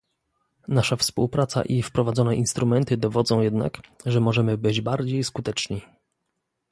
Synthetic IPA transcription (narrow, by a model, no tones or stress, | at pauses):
naʂafspuwpɾat̪sa̰ʔifpɾɔvad̪zɔnɛʔinst̪ɾumɛnt̪ɘd̪ɔvɔd̪zɔ̃w̃jɛd̪na̰kʐɛmɔʐɛmɘbɘd͡ʑbaɾd͡ʑejskut̪ɛt͡ʂɲi